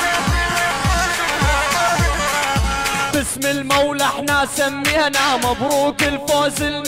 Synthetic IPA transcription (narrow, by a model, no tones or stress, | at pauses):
bɪsmɪlmawlʔaħnasamːihnamabɾuːkɪlfaːzɪl